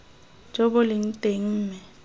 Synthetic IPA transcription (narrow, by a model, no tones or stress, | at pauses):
d͡ʒɔbʊlɪŋ̩tʼeŋ̩ːmɛ